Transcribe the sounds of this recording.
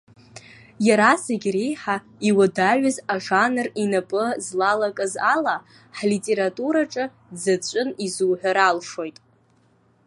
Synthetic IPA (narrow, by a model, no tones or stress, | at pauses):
jaɾasaɡʲrejħa | iwadaʕazaʐanɨrinapʼɨzlalakʼɨzala | ħlitʼe̞ɾatʼuɾaʈ͡ʂʼɨ | d͡zat͡ɕʷʼʊnizuːħʷᶣaɾalʂo̞jtʼ